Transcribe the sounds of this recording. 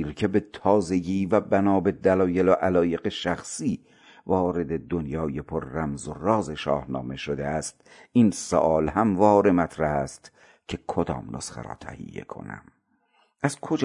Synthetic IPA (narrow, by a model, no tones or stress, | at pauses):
ɾkʰe̞be̞t̪ʰɒːze̞ɡiːvæbænɒːbe̞d̪ælɒːjeloʔælɒːje̞ɡe̞ʃæxsiː | vɒːɾe̞d̪e̞d̪onjɒːje̞pʰoɾːæmzorɒːze̞ʃɒ̰ːhnɒ̰ːme̞ʃod̪eæst̪insoʔɒːlhæmvɒːɾemæt̪ʰɾæhæst̪ | cʰe̞kʰod̪ɒ̰ːmnʔo̰sχḛɾɒ̰ːt̪ʰæ̰hḭjːḛkʰo̰næ̰m | ʔæzkʰod͡ʒ